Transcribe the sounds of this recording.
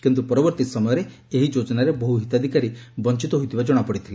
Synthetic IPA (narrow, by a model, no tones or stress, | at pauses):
kint̪upɔɾɔbɔɾt̪isɔmɔjɔɾe | eɦid͡ʒod͡ʒɔnaɾebɔɦuɦit̪ad̪ʱikaɾibɔnt͡ʃit̪ɔɦujt̪ʰibad͡ʒɔɽ̃apɔɽit̪ʰili